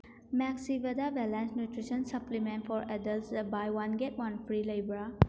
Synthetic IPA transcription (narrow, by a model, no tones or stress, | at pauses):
mɛksibedabɛlɛ̃nsnjutɾisə̃nsɐplimẽnʈfʰɔɾɛdəlsbajwanɡetwanpʰɾilajbɾa